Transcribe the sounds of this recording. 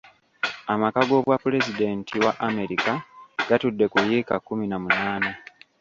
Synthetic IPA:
amakaɡo̞βwapule̞zide̞ntʰiwaʔame̞ɾikaɡ̥atudːe̞kujeːkakːuminamunaːna

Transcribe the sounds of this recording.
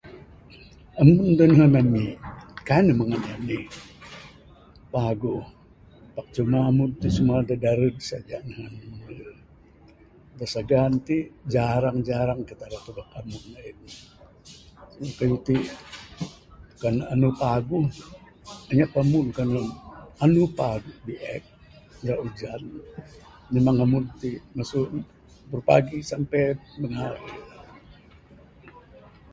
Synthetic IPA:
amund̪anɦanamikanəməŋanamnih | paɡu | pak̚t͡ʃumaːmunt̪isumuadadaɾədsa̰d͡ʒanɦanmi | dasaɡant̪id͡ʒaɾaŋd͡ʒaɾaŋkit̪aɾat̪ubak̚amuknaik̚ni | kajut̪i | kananupaɡuh | aɲaʔpamunkanunanupaɡuhbiʔɛk̚ | ɡaʔud͡ʒan | memaŋamunt̪imasuʔ | bərpa̰ɡisampɛjbənaria

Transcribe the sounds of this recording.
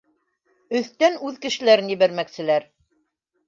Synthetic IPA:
ɵ̆θt̪ænʉðkɘ̆ʃɘ̆læɾɘnjɘ̆βæɾmæksɘ̆læɾ

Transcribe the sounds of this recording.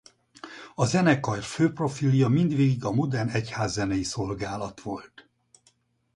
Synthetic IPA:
ɒzɛnɛkɒjrføːpro̞filijɒmind̪ʋeːɡiɡɒmo̞d̪ɛnɛchaːzːɛnɛjiso̞lɡaːlɒt̪ʋo̞lt̪

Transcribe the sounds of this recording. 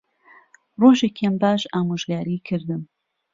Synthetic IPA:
roːʒekambaːʃaːmoʒɡaːɾiːkʰɨɾd̪ɨm

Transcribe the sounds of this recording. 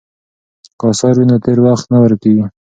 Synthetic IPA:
qɑsɑɾwinat̪eɾwaxt̪nawəɾkawi

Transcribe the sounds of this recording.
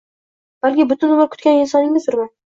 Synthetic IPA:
b̥alkʲɪbʊt̪ʊnʊmɪɾkʰʊ̥t̪̚kʲanɪnsɒnɪŋːɪzt̪ʰʊɾman

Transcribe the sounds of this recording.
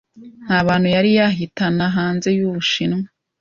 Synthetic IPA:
n̥haːβaːn̥hujaɾijaɦitanaɦaːnze̞juβuʃinŋwa

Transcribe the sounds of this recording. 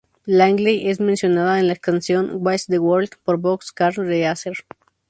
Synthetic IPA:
laŋɡliʔezmẽnsjonaðaenlaeskansjonwajsd̪ewoɾld̪poɾbokskaɾd̪easeɾ

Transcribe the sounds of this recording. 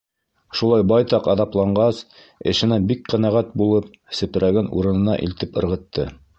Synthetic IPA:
ʃulˠɑjbɑjt̪ɑqɑðɑplˠɑɴɢɑs | ɘ̰̆ʃɘ̆næbik̚qæ̆næʁæt̪̚bulˠɤp̚ | sɘ̆pɘ̆ɾæɡɘnṵɾɤ̆nɤ̆nɑ̰ʔḭlt̪ɘpɤ̆ɾʁɤ̆t̪ːɤ

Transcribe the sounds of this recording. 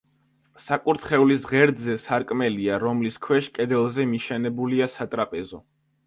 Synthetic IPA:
sakʼuɾt̪ʰχɛulisʁɛɾd̪zɛsaɾkʼmɛliaɾɔmliskʰwɛʃkʼɛd̪ɛlˠzɛmiʃɛnɛbuliasat̪ʼɾapʼɛzɔ

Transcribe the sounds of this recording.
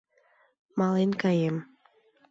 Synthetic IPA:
mɑlenkɑjem

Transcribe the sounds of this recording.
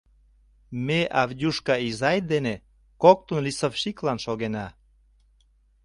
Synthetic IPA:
meʔɑvdʲuʃkɑizɑjd̪ene | kok̚t̪unlisəfʃiklɑnʃoɣenɑ

